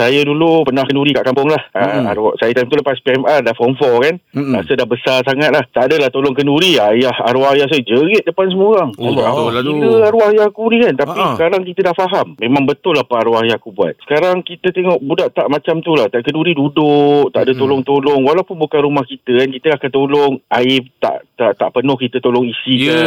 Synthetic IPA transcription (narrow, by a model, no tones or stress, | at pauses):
sajadulupənahkənuɾikaʔkampʊŋlahəa̰ɾusajət̪ajmt̪uləpaspiɛmardahfɔmfɔkanɾa̰sədahbəsarsaŋat̪̚laht̪aʔdəlaht̪olɔŋkənuɾiajaha̰ɾuajahs̬ad͡ʒəɾət̪̚dəpans̬əmoɾaŋsuaukitəaɾuahjahkunikant̪apisəkaɾaŋkit̪ədahfaɦamːẽmãŋbət̪ʊlːapaaɾuaɦjakubua̰t̪̚sə̥kaɾaŋkit̪ət̪eŋɔʔbudaʔt̪aʔmãt͡ʃamt̪ulaht̪aʔkənduɾidudʊʔt̪aʔdət̪olʊŋt̪olɔŋwalawpʊnbukanɾumahkit̪əkankit̪əlahkat̪olɔŋaɪt̪a̰ʔt̪aʔt̪a̰ʔpənʊhkit̪ət̪olɔŋisika